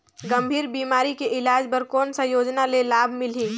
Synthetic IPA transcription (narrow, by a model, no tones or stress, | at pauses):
ɡə̃mbʱiːɾbiːmaːɾikeʔɪlaːd͡ʒpəɾkɔːnsɐjoːd͡ʒnalelaːbʱmɪlɦĩː